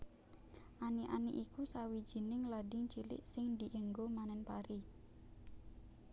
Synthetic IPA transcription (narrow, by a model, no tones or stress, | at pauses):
ʔaniʔa̰niʔikusawi̥d͡ʒ̥i̤nɪŋladɪŋt͡ʃilɪ̰ʔsɪŋd̪i̤ʔeŋɡomanɛnpaɾi